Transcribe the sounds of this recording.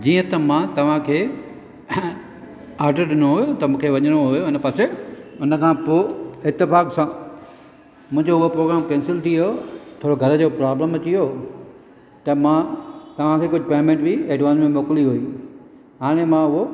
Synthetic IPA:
d͡ʑiːə̃t̪ɐmãt̪ɐʋ̤ãkʰeː | aːɾɖəɾɗɪnoɦʊjot̪ɐmũːkʰeʋɐɲəɽ̃oɦʊjoɪnə̆paseʊnəkʰãːpoːɪt̪ːɪfaːksãː | mʊ̃ɦɪ̃ɲd͡ʑoʊɦopɾoːɡɾaːmkɛ̃ːnsɪlt̪ʰiot̪ʰoːɽoɡʱɐɾəd͡ʑoːpɾaːbləmɐt͡ɕijoː | t̪ɐmãt̪ɐʋ̤ãkʰekʊd͡ʑʱɪpeːmẽɳʈbieːɖʋaːnsmẽmoːkliɦuiː | ɦaːɽ̃emãʊɦo

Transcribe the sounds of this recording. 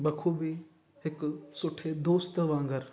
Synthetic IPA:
ɓɐkʰubʱi | ɦɪksʊʈʰed̪oːst̪ʋãːŋɡəɾ

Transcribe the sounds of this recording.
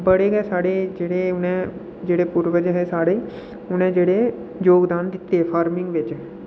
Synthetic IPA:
bəɽeːɡɛːsaːɽeːd͡ʒeːɽeːʊnẽː | d͡ʒeːɽeːpʊɾʋəd͡ʒəɦɛːsaːɽeː | ʊnẽːd͡ʒeːɽeː | joːɡd̪aːnd̪ɪt̪ːeːpʰaːɾmɪ̃ŋɡʋɪt͡ʃ

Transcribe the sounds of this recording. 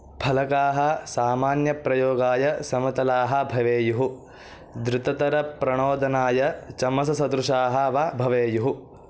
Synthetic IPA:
bʰʱɐlɐkaːɦɐ̆saːmaːnjɐpɾɐjoːɡaːjɐsɐmɐt̪ɐlaːɦɐ̆bʱɐʋeːjuɦu | d̪ɾɪt̪ɐt̪ɐɾɐpɾɐɳoːd̪ɐnaːjɐt͡ʃɐmɐsɐsɐd̪ɾuʂaːɦɐʋabʱɐʋeːjuɦu

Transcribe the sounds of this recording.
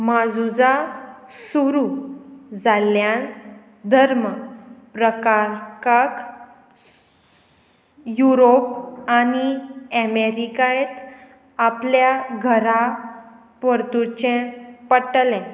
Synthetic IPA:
mad͡zud͡zasuɾu | d͡zaljan | d̪ʱəɾməpɾəkaɾkak | juɾop̚aniɛmeɾikajet̪ | apljaɡʱəɾa | pəɾt̪ut͡ɕẽpəʈlɛ̃

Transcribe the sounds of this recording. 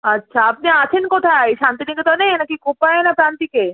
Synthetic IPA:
ɐtːɕʰaap̚neat͡ɕʰenkot̪ʰajʃant̪inikot̪oneenakikopaenapɾant̪ike

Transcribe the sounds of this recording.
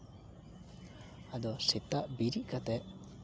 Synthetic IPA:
ad̪ɔsit̪aʔbiɾiʔkat̪ɛʔ

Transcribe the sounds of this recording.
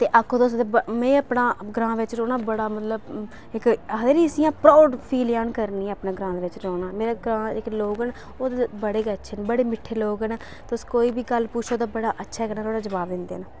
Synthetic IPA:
t̪eːʔakʰːõːt̪ːʊsd̪ebəmɛ̃ːəpnaːɡɾãːʋɪt͡ʃɾoːnaːbəɽaːmət̪ləb | ɪkd̪eːɾiːəsĩjãːpɾɔːɖpʰiːljaːnkəɾnĩːpnaːɡɾãːd̪eːʋɪt͡ʃɾoːnãːmeːɾaːɡɾãːɪkloːɡən | oːd̪ebəɽeːɡəətːʃʰeːnːbəɽeːmɪʈʰːeːloːɡənː | t̪eʊskoːiːbiːɡəlpuːt͡ʃʰoːd̪aːbəɽaːʔətːʃʰaːkəɾnaːɾoːɽaːd͡ʒəbaːbd̪ɪ̃nd̪ḛːnaː

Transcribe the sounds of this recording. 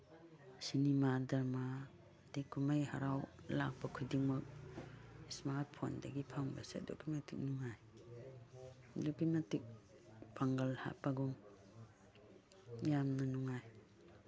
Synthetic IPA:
sinimadaɾma | dikʰːumajha̰ɾawla̰k̚bakʰudiŋmɐk̚ | ismat̚pʰo̰ndaɡipʰaŋbasḛdo̰kimatik̚nuŋaj | dukimatik̚ | paŋɡalha̰paɡum | jamnanuŋaj

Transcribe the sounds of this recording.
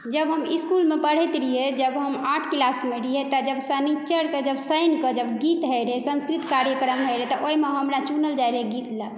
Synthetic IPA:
d͡ʒəbɦəmiskulmepəɽ̤et̪ɾiɦed͡ʒəbɦəmaʈʰkilasmeɾiɦet̪əd͡ʒəbsənit͡ʃəɾked͡ʒəbsəjnkəd͡ʒəbɡit̪ɦɛjɾesə̃nskɾit̪kaɾjəkɾəmɦɛɾet̪ɔʔoimeɦəmɾat͡ʃunəld͡ʒajɾeɡit̪lə

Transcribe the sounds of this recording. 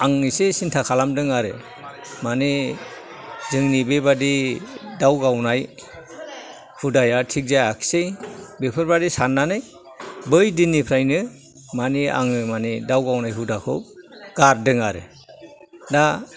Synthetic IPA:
aŋnisesintʰakʰalamdɯŋaɾɯ̰ | mani | zɯŋnibebadidawɡawnaj | hudajatʰik̚zajakʰi̥sejbepʰɯɾbadisanːanɯj | bɯjdinːipʰɾajnɯ | mania̰ŋɯmanidawɡawnajɦudakʰɯ̰wɡ̥aɾdɯŋaɾɯ̰ | da

